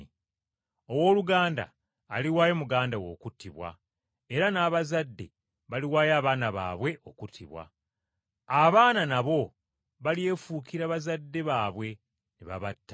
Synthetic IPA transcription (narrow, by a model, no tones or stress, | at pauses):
owo̞ːluɡaːnda̰ː | liwaːjomuɡaːndawo̞̰ːkutʰːiβwa̰ | eɾanaːβazadːe̞̰ | βaliwaːjaːβaːnaβa̰ːβwe̞ʔo̞kutʰːiβwa̰ | aβaːnanaβo̞ | βalie̞fuːkiɾaβazadːe̞βaːβwe̞ | niβa̰βatːa